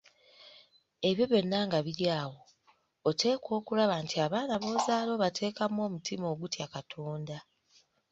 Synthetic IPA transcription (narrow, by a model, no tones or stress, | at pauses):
e̞βjo̞βjo̞nːaːŋɡaβiɾjaːwo̞ː | tʰe̞ːkʰo̞ːkulaβaːntʰiaβaːnaβo̞ːzaːlo̞βatʰe̞ːkamwo̞ːmutimo̞ːɡutjakatʰo̞ːnda